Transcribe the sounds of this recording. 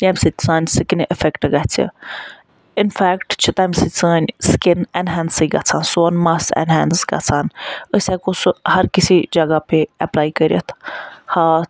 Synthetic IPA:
jamsit͡saːnʲsɨkinʔəfɛkʈɡɐt͡sʰḭ | ɪnfæːkʈt͡ʃʰut̪amsɨt͡saːnʲskɪnɛnɦɛːnsiɡɐ̰t͡sʰaːnsoːnmaːsɛ̰nɦɛːnsɡɐ̰t͡sʰaːnəsʲɛkoshɐɾkɪsid͡ʒɐɡapeɛplaːikəɾʲiə̰t̪ʰhaː

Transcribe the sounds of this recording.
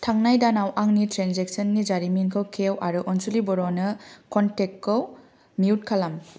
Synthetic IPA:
tʰaŋnajdanawʔaŋnitɾenzek̚sɔnːid͡ʒaɾiminkʰɯwkʰewʔaɾuʔɔnsulibɔɾɔnɯkɔntekːow | miut̚kʰalam

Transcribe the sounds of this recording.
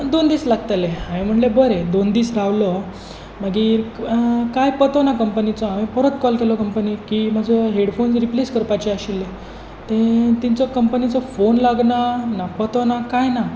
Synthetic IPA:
d̪ond̪iːslaɡ̚t̪aleãɦẽm̤əʈlebəɾed̪ond̪iːsɾaʋlɔ | m̤əɡiːɾkajpət̪ɔnakəmpənit͡sɔamĩpəɾət̪kɔlkelɔkəmpənikiːmad͡zʱəɦeɽfonsɾipleskəɾpat͡ɕeaɕilːe | t̪ẽt̪int͡sɔkəmpənit͡sɔfonlaɡnanapət̪ɔnakajna

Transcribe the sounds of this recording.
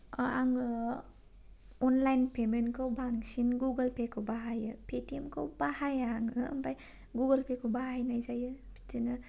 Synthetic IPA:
aŋɯ | ɔnlajnpʰemenkʰawbaŋsinɡuɡɐlpʰekʰɯwbaɦajɯpʰetiemkʰawbahajaŋɯ̰ːmbaj | ɡuɡɐlpʰekʰowbaɦajnajzajɯ | bʰi̥tinɯ

